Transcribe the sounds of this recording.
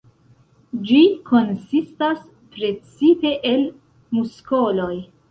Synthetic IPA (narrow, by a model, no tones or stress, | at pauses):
d͡ʒikʰo̞nsistas | pɾe̞t͡sipe̞ʔel | musko̞lo̞j